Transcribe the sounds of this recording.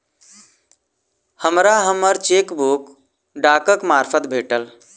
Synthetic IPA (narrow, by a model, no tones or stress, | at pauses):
həmɾaɦəməɾt͡ʃeːkbuk | ɖaːkəkmaːɾfʰət̪̚bʱeːʈəl